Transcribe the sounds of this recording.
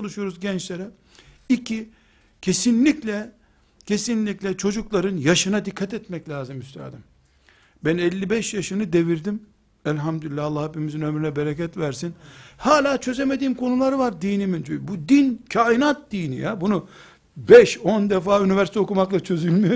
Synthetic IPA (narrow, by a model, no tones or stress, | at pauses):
olˠuʃujo̞ɾuzɟɛnt͡ʃlʲe̞ɾɛ | icʰi | cʰe̞sinlʲiclʲɛ | cʰe̞sinlʲicʲlʲɛt͡ʃʰo̞d͡ʒuklˠaɾɯnjaʃɯnad̪ikʰːat̪ɛt̪mɛclʲaːzɯmyst̪ʰæ̰ːd̪im | bænɛlʲːibɛʃjaʃɯnɯd̪e̞viɾd̪im | ɛlʲɦamd̪ylilʲːæɑlˠːahepimizinø̞mɾynɛbeɾecɛt̪væɾsinhaːlʲaːt͡ʃʰø̞zeme̞d̪iːmkʰo̞nulˠaɾvaɾd̪iːnimind͡ʒybud̪incʰaːinat̪̚d̪iːnḭjabunu | bɛʃo̞nd̪ɛfaːynivæɾsit̪ʰo̞kumaklˠat͡ʃʰø̞zylʲmijo